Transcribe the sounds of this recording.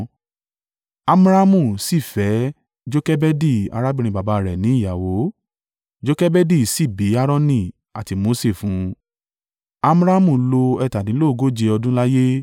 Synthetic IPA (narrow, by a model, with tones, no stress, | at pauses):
a˧m˦ɾa˦mũ˦˨si˦˨fɛ˨˦ | d͡ʒo˦kɛ˦bɛ˦di˦˨a̰˧ɾa˦bĩ˦ɾ̃ĩ˧˨ba˨ba˧˨ɾɛ˨nĩ˨˦i˦˨ja˨wo˨˦ | d͡ʒo˦kɛ˦bɛ˦di˦˨si˦˨bi˨˦a˦ɾɔ̃˦nĩ˦˨ | a˨ti˧˦mo˨˦se˦˨fũ˨˦ | a˧m˦ɾa˦mũ˨lo˧ɛ˧˨ta˨dĩ˨˦lo˦˨˧ɡo˦d͡ʒe˧ɔ˧dũ˦la˦je˦